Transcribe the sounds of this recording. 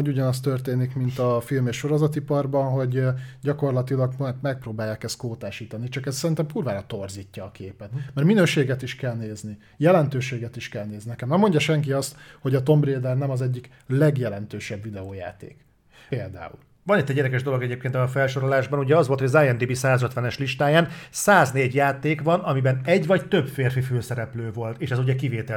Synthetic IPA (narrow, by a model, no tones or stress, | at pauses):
oɟuɟɒnɒs̬t̪ørt̪eːnikmint̪ɒfilmeːʃʃːo̞ɾozɒt̪ipɒrbɒnɦo̞ɟɟɒko̞rlɒt̪ilɒɡɛɡmɛk̚proːbaːjːaːkɛst̪koːt̪aːʃiːt̪ɒnit͡ʃɒkɛssɛɾint̪ɛmpuːrvaːɾɒt̪o̞rziːcːɒːkeːpɛt̪mɛrminøːʃeːɡɛt̪iʃkɛlneːzni | jɛlɛnt̪øːʃeːɡɛt̪iʃkɛlneːzninɛkɛmnɛmːo̞ɲɟɒʃɛŋkiɒst̪ho̞ɟɒt̪o̞mbreːd̪ɛrnɛmɒzɛɟːik | lɛɡjɛlɛnt̪øːʃɛbvid̪ɛoːja̰ːt̪ḛːk | peːld̪a̰ːṵl | vɒnit̪ːɛɟːɛːd̪ɛkɛʒd̪o̞lo̞ɡɛɟeːp̚keːnt̪ːfɛlʃo̞ɾolaːʒbɒnuɟɛɒzvolt̪hoɟɒzaːjɛnd̪ibisaːzøt̪ʋɛnɛʃliʃt̪aːjaːnsaːzneːɟjaːt̪eːkvɒnɒmibɛnɛɟvɒct̪øbfeːrfiføːsɛɾɛpløːvo̞lt̪eːʃɛzuɟɛkiveːt̪ɛ